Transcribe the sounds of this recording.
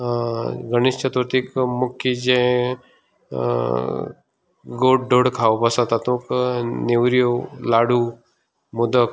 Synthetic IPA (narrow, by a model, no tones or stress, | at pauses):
ɡəñist͡ʃət̪ʋəɾt̪ikmukʰid͡ʑẽ | ɡoɖoɽkʰawbəsat̪at̪ũkneʋɾjolaɽu | mud̪ək